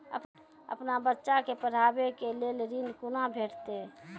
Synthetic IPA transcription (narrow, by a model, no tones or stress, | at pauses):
ə̰p | ə̰pnabətːʃakepəɾ̤abekelelɾinkunabʱeːʈt̪e